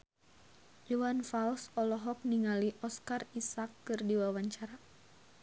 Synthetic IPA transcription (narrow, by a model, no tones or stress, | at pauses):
juwanfalsɔlɔɦɔk̚niŋaliʔɔskarisakːɨrdiwawaɲt͡ʃaɾa